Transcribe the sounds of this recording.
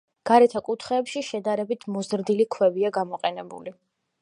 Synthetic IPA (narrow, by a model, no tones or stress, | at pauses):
ɡ̥aɾɛt̪ʰakʼut̪ʰχɛːpʃiʃɛd̪aɾɛbit̪ʰmɔzɾd̪ilikʰwɛbiaɡamɔqʼɛnɛbṵli